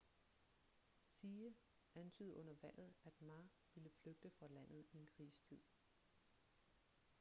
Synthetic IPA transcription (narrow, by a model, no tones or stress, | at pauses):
siːə | ʔænt͡sʰyːðˠɔ̽n̰ɐʋæl̰ð̩ˠæd̥mɑ̈ː | ʋiləfløɡ̥̚d̥əfʁɑ̈læn̰ð̩ˠie̝nkʰʁiːst͡sʰið̰ˠ